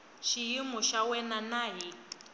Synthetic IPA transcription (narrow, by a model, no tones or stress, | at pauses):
ʃijimɔʃawɛnanaːji